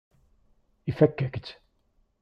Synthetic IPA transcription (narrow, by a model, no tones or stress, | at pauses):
ifækːækt̪